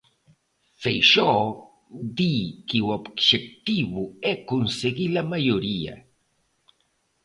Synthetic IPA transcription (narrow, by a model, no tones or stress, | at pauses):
fejʃo | d̪ikiwapkʃek̚t̪iβʊekʊnseɡilamajoɾija̰